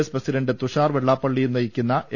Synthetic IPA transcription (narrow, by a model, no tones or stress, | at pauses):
sprɐsiɾɐɳɖɨt̪uʂaːrʋeɭːaːpːɐɭːijumnɐjikʲːunːɐʔe